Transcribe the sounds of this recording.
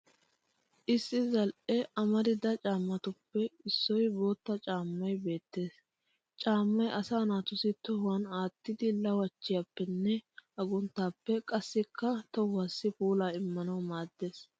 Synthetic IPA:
ʔɪsːɪzɐlʔɛʔɐmɐd̪ɪd̪ɐt͡ʃʼaːmːɐt̪ʊpːɛɪsːɔjbo̞ːt̪ːɐt͡ʃʼaːmːɐjbe̞ːt̪ːe̞ːs | t͡ʃʼaːmːɐjʔɐsaːnaːt̪ʊsɪt̪ɔhɐnaːt̪ːɪd̪ɪlɐwɐt͡ʃːɪjapːɛnːɛɐɡʊnt̪ːaːpːɛkʼɐsːɪkːɐt̪ɔwːaːsːɪfuːlaːɪmːɐnɐwmaːd̪ːe̞ːs

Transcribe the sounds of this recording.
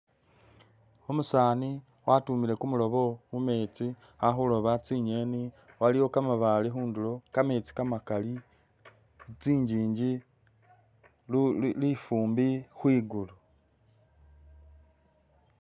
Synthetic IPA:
omusaːni | watumile̞kumulo̞βo̞mume̞ːt͡si | haxulo̞βat͡siɲeni | waliwo̞kamaβalixuːndulo̞kame̞t͡si̥kamakali | t͡siːɲɟiːɲɟi | lifuːmbixwiːɡulu

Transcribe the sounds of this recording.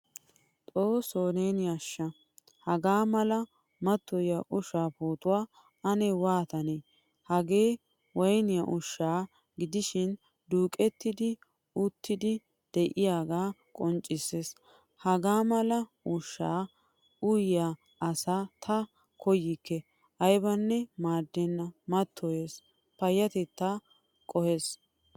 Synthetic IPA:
t̪ʼoːsoːneːnɪjaʃːɐ | hɐɡaːmɐlɐ | mɐt̪ːɔjɐʔʊʃaːpuːt̪ʼʊwaː | ɐnɛwaːt̪ɐne | hɐɡe̞ː | wɔjnɪjɐʔʊʃːaː | ɡɪd̪ɪʃɪn | d̪uːkʼɛt̪ːɪd̪ɪ | ʊt̪ːɪd̪ɪ | d̪̥ɛʔɪjaːɡaːkʼɔnt͡ʃʼːɪses | hɐɡaːmɐlɐ | ʊʃːaː | ʊjja | ɐsaːt̪ʰɐ | kʰɔjɪkːɛ | ʔɐjbɐnːɛmaːd̪ːɛnːɐmɐt̪ʰːɔjeːs | pɐjːɐt̪ɛt̪ːa | kʼɔheːs

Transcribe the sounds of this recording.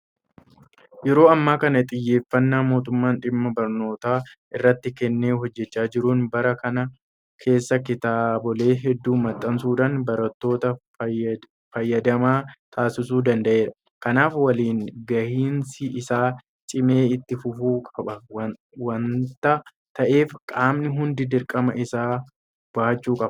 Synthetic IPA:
jɛɾo̞ːɐmːaːkɐnɐt̪ʼɪjːe̞ːfːɐnːamo̞ːt̪ʊmːaːnᶑɪmːɐbɐɾno̞ːt̪aːʔɪrːɐt̪ːɪkɛnːeːɦɔd͡ʒːɛt͡ʃːaːd͡ʒɪɾuːnbɐɾɐkɐnɐ | kʰe̞ːsːɐkɪt̪aːbɔle̞ːɦɛd̪ːuːmɐt̪ʼːɐnsuːd̪ɐnbɐɾɐt̪ːo̞ːt̪ɐ | fɐjːɐd̪ɐmaːt̪ʰaːsɪsuːd̪ɐnd̪ɐʔe̞ːɾɐ̥ | kɐnaːfwɐliːnɡɐhiːnsɪɪsaː | t͡ʃʼɪme̞ːɪt̪ːɪfʊfuːkʼɐbɐɐ | wɐnt̪ɐ | t̪ɐʔeːfkʼaːmnɪɦʊnd̪ɪd̪ɪɾkʼɐmɐʔɪsaː | b̥aːt͡ʃːuːkʼɐbɐ

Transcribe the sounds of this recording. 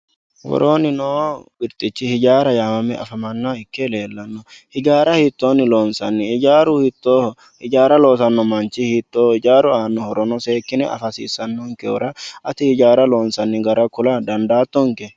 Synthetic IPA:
wɔ̰ɾoːnɪnoːbɪɾt̪ʼɪt͡ʃːɪhɪd͡ʒaːɾɐjaːmɐmɛɐfɐmɐnːaɪkːɛle̞ːlːɐnːɔhɪd͡ʒaːɾɐhit̪ːoːnːɪloːnsɐnːɪɪd͡ʒaːɾʊhɪt̪ːoː | hɪd͡ʒaːɾɐlo̞ːsɐnːɔmɐnt͡ʃɪhit̪ːoːɪd͡ʒaːɾʊaːnːɔhɔɾɔnɔseːkːɪnɛʔɐ̰fɐsḭːsːɐnːɔŋkɛʊ̰ɾɐʔɐt̪ɪhɪd͡ʒaːɾɐloːnsɐnːɪɡɐɾɐkʊlɐd̪ɐnd̪aːt̪ːɔŋkɛ

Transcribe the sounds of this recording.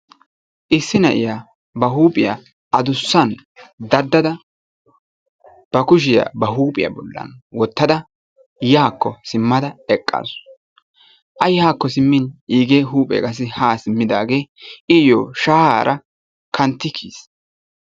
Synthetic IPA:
ʔɪsːɪnɐʔɪjaː | bɐɦuːpʼɪja̰ | ɐd̪ʊsːɐnd̪ɐd̪ːɐd̪ɐ | b̥ɐkʊʃ̬ɪja̰ːbɐɦuːpʼɪ̰ja̰bɔlːɐ̰nwɔt̪ːɐd̪ɐ | jaːkːɔsɪmːɐd̪ɐɛkʼːa̰ːs | ʔɐjhaːkːɔs̬ɪmːɪniːɡeːɦuːpʼɛ̰kʼɐs̬ɪhaːsɪmːɪd̪aːɡe̞ːʔɪjoːʃaːha̰ːɾʔɐ | kʰɐnt̪ːɪkʰiːs

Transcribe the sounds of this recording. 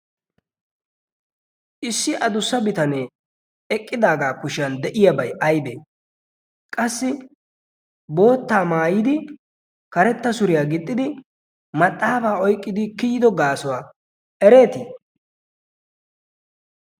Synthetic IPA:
ʔɪsːɪʔɐd̪ʊsːɐbɪt̪ɐneː | ɛkʼːɪd̪aːɡaːkʊʃɐnd̪ɛʔɪjabɐjɐjbeː | kʼɐsːɪ | bo̞ːt̪ːaːmaːjɪd̪ɪ | kɐɾɛt̪ːɐsʊɾɪjaːɡɪt̪ʼːɪd̪ɪ | mɐt̪ʼːaːbaːɔjkʼːɪd̪ɪkɪjɪd̪ɔɡaːsɔwaː | ʔɛɾe̞ːt̪i

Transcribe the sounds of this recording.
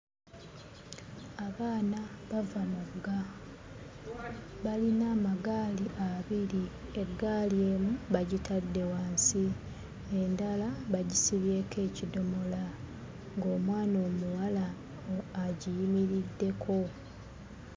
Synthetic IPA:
aβaːnaβavamuɡa | βalinaːmaɡaːliʔaβiɾie̞ɡːaːlje̞ːmuβaɟitʰadːe̞waːnsi | e̞ndalaβaɟisiβje̞ːke̞ːcido̞mo̞la | ŋɡo̞ːmwaːno̞ːmuwala | oaɟijimiɾidːe̞kʰo̞

